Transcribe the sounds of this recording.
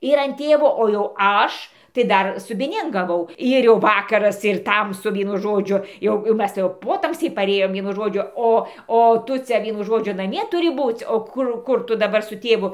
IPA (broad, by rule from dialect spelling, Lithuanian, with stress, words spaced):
ɪr ɐn ˈtʲeːʋoː oː jɛʊ ˈɐʃ tɐɪ ˈdɐr sʊbʲɪˈnʲeːn ɡɐˈʋɐʊ ˈɪr jɛʊ ˈʋɑːkɐrɐs ɪr ˈtɐmsʊ ˈʋʲiɛnʊ ˈʒoːd͡ʒʲʊ ˈjɛʊ jɛʊ ˈmʲɛs tɐɪ jɛʊ ˈpoːtɐmʲsʲɛɪ pɐˈrʲeːjoːm ˈʋʲiɛnʊ ˈʒoːd͡ʒʲʊ ˈoː oː ˈtʊ t͡sʲɛ ˈʋʲiɛnʊ ˈʒoːd͡ʒʲʊ nɐˈmʲiɛ tʊˈrʲɪ ˈbuːt͡sʲ oː ˈkʊr ˈkʊr tʊ dɐˈbɐr sʊ tʲeːˈʋʊ